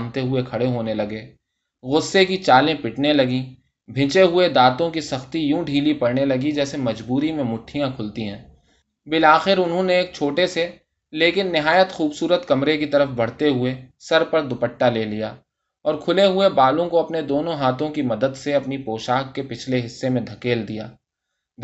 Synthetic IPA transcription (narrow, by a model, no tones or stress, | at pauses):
mt̪eɦʊekʰɐɽeɦoːnelɐɡeː | ɣʊsːekit͡ʃaːlẽpɪʈnelɐɡi | bʱɪ̃t͡ʃeɦʊed̪aːt̪õkisɐxt̪ijũːɖʱiːlipɐɽnelɐɡid͡ʒɛːsemɐd͡ʒbuːɾimẽmʊʈʰːijãkʰʊlt̪iɦɛ̃ː | bɪlaːxɪɾʊnɦõneeːk̚t͡ʃʰoːʈese | leːkɪnːɪɦaːjət̪xuːbsuːɾət̪kɐmɾekit̪ɐɾəfbɐɽ̤t̪eɦʊesɐɾpɐɾd̪ʊpəʈːaleːlijaː | ɔːɾkʰʊleɦʊebaːlõkoɐpned̪oːnõɦaːt̪ʰõkimɐd̪əd̪seɐpnipoːʃaːkkepɪt͡ʃʰleɦɪsːemẽd̪ʱɐkeːld̪ija̰ː